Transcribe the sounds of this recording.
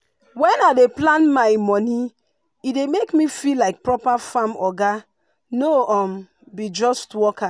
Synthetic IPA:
wɛ̃naɪdeplãnmaɪmɔni | idemekmifilaɪk̚pɹɔpafamɔɡa | noɔm | bid͡ʒɔstwɔka

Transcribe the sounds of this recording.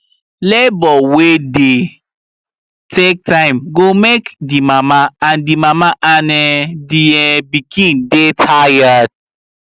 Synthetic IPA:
lebɔwede | tʰek̚tʰãɪ̃mɡomekdimamaãndimamaʔanɛdiɛbikʰĩndetʰajad̥̚

